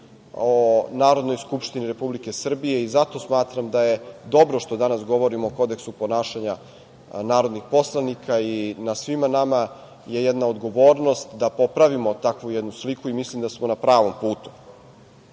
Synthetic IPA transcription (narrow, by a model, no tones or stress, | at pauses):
onaːɾo̞d̪no̞jskupʃt̪iniɾe̞publike̞sr̩bije̞izat̪o̞smaːt̪ɾamd̪aje̞d̪o̞bɾoʃt̪o̞d̪anasɡo̞ʋo̞ɾimooko̞d̪e̞ksupo̞naːʃaɲa | naːɾo̞d̪nixpo̞slˠanikʰainasʋimanama | je̞jɛd̪naod̪ɡo̞ʋo̞ːɾno̞st̪d̪apo̞pɾaʋimo̞t̪akʋujɛd̪nuslikuimislimd̪asmonapɾaːʋo̞mpuːt̪u̥